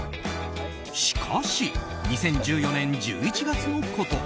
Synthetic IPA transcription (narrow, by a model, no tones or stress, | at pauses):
ɕi̥kʰaɕi | ɲ̟isẽ̞ɲ̟d͡ʑɨːjo̞nẽ̞ɲd͡ʑɨ̰ːit͡ɕiɡat͡sɨnokʰot̪o̞